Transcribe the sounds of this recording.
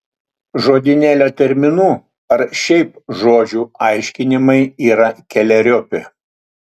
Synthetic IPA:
ʒoːd̪ʲɪnʲæːlʲoːt̪ʲɛɾʲmʲɪnuː | ɐɾʃʲɛɪpʒoːd͡ʒʲuːɐɪʃʲkʲɪnʲɪmɐɪiːɾɐkʲɛlʲɛɾʲopʲɪ

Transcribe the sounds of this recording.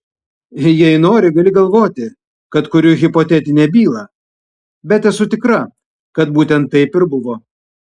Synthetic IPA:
jɛɪnoːɾʲɪɡɐlʲɪɡɐlˠʋoːt̪ʲɪ | kɐt̪kʊɾʲʊɣʲɪpot̪ʲɛt̪ʲɪnʲɛːbʲiːlˠɐ | bʲɛt̪ʲɛsʊt̪ʲɪkɾɐ | kɐt̪buːt̪ʲɛnt̪ːɐɪpɪɾbʊʋoː

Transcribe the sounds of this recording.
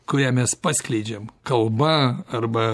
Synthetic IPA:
kʊɾʲæːmʲɛspɑːsʲklʲɛɪd͡ʒʲɛmkɐlˠbɐɐrbɐ

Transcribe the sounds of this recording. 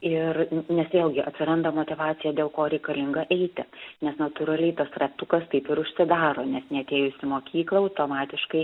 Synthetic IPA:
ɪɾnʲɛsjeːlˠɡʲɪʔɐt̪ʲsʲɪɾɐnd̪ɐmoːt̪ʲɪʋɑːt̪sʲɪjɛd̪ʲeːlˠkoːɾʲɛɪkɐlʲɪŋɡɐʔɛɪt̪ʲɪnʲɛsnɐt̪uɾɐlʲɛɪt̪ɐsɾɐt̪ukɐst̪ɐɪpɪɾʊʃʲsʲɪd̪ɑːɾoːnʲɛsnʲɛɐt̪ʲeːjʊsʲɪmoːkʲiːklˠɐɐʊt̪oːmɑːt̪ʲɪʃkɐɪ

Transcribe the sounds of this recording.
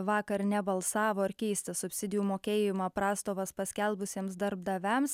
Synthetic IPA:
ʋɑːkɐɾnʲɛbɐlˠsɑːʋoːɪɾkʲɛɪsʲt̪ʲɐsʊpʲsʲɪd̪ʲɪjuːmoːkʲeːjɪmɑːpɾɑːst̪oːʋɐspɐsʲkʲɛlˠbʊsʲiɛmsd̪ɐɾb̚d̪ɐʋʲɛms

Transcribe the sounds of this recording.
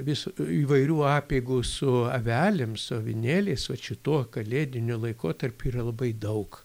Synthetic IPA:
ʋʲɪsuːiːʋɐɪɾʲuːɑːpʲeɪɡuːsʊɐʋʲæːlʲɪmsʊɐʋʲɪnʲeːlʲeɪsʋɐʃʲɪt̪uɔkɐlʲeːd̪ʲɪnʲʊlˠɐɪkoːt̪ɐrʲpʲuːiːrɐlˠɐbɐɪd̪ɐʊk

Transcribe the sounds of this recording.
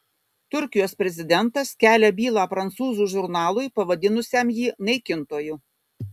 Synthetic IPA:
t̪ʊɾʲkʲɪjoːspʲɾʲɛzʲɪd̪ʲɛnˑt̪ɐskʲæːlʲɛbʲiːlˠɑːpɾɐnt̪suːzuːʒʊɾnɑːlˠʊjpɐʋɐd̪ʲɪnʊsʲemjiːnɐɪkʲɪnt̪oːjʊ

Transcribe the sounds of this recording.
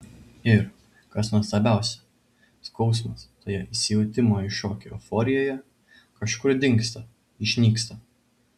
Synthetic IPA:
ɪɾ | kɐsnuɔst̪ɐbʲæˑʊsʲɛ̥ | skɒʊs̬mɐst̪oːjɛʔɪsʲɪjɛʊt̪ʲɪmoːɪʃoːkʲɛofɔːɾʲɪjoːjɛ | kɐʃkʊɾd̪ʲɪŋkst̪ɐ | ɪʃʲnʲiːkst̪ɐ

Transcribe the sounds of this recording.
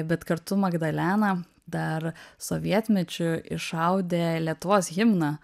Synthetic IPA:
bʲɛt̪kɐɾt̪ʊmɐɡd̪ɐlʲæːnɐ | d̪ɐɾsoʋʲiɛt̪ʲmʲɛt͡ʃʲʊɪʃɐʊd̪ʲeːlʲiɛt̪ʊʋoːsɣʲɪmnɐ

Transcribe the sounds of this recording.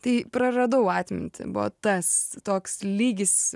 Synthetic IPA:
t̪ɐɪpɾɐɾɐd̪ɐʊɑːt̪ʲmʲɪ̰nʲt̪ʲɪ̰bʊʋɐ̰t̪ɐst̪oːkslʲiːɡʲɪs

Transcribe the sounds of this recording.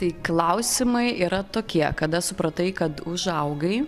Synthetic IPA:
t̪ɐɪklˠɐʊsʲɪmɐɪiːɾɐt̪oːkʲiɛkɐd̪ɐsʊpɾɐt̪ɐɪkɐt̪ʊʒɐʊɡɐɪ

